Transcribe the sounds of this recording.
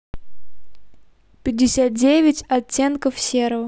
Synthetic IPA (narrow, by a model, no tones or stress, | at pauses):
pʲɪdʲːɪsʲat̪̚dʲevʲɪtʲɐtʲːe̞nkəfsʲeɾəv